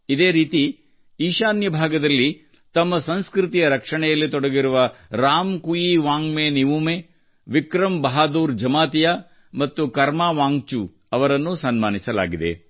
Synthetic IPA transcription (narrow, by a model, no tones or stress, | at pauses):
id̪e̞ːɾiːt̪i | iːʃaːnjɐbʱaːɡɐd̪ɐlːi | t̪ɐmːɐsɐnskɾɪt̪ijɐɾɐkʂɐɳɛjɐlːit̪ɔɽɐɡiɾuʋɐɾaːmkujiʋaːŋmeːniʋumeː | ʋikɾɐmbɐɦaːd̪uːɾd͡ʒɐmaːt̪ijaː | mɐt̪ːukɐɾmaːʋaːŋt͡ʃu | ɐʋɐɾɐnːusɐnmaːnisɐla̰ːɡid̪e̞̰